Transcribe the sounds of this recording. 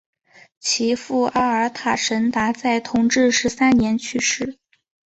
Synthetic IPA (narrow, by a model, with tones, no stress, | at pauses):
t͡ɕʰi˧˥fu˥˩ʔa˥ə˞˧˥t̪ʰa˨˩ʂə˧˥nt̪a˧˥t͡sa˥˩ɪt̪ʰʊ˧˥ŋʈ͡ʂɻ̩˥˩ʂɻ̩˧˥sa˥nnjɛ˧˥nt͡ɕʰy˥˧ʂɻ̩˥˩